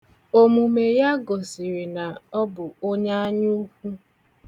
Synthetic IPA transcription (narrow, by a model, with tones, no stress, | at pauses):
o˨mu˨me˨ja˦ɡɔ˨si˨ɾi˨na˨ɔ˦bʊ˨o˦ɲa˦a˦ɲu˦kʷu˦